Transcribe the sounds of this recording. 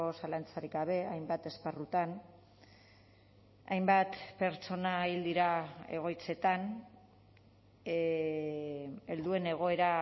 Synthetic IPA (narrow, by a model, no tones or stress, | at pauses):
osalant͡saɾikaβ̞e̞ajmbat̪e̞sparut̪an | a̰jmbat̪pe̞ɾt͡so̞naild̪iɾae̞̰ɣ̞o̞jt͡se̞t̪an | e̞ld̪ue̞ne̞ɣ̞o̞e̞ɾa